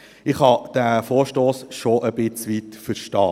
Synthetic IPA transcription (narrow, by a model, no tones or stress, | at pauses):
ɪχhɑd̪̥æːfoːɾʃtoːsʃoʔəbɪt͡sʋitfəɾʃtɑː